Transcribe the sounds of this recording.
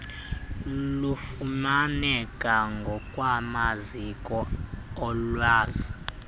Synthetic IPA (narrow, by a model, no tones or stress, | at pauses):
lufumanɛkʼaŋɡʱɔkʼwamazikʼɔɔlwaːzi